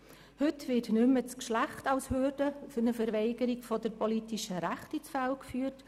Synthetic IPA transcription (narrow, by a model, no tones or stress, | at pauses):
hʏtvɪtnʏmət͡skʃlæχtɑʊshørdəfʊnəfəɾvɛɪɡəɾiɡfɔd̥əɾpɔlitiʃəɾæχtit͡sfɛlkfyːt